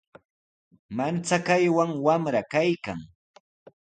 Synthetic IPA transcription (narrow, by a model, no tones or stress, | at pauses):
mant͡sakajwaŋwamɾakajka̰ŋ